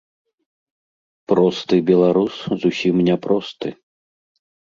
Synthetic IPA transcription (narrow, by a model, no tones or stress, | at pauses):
pɾɔst̪ɨbʲɛlˠaɾuszusʲimnʲɛpɾɔst̪ɨ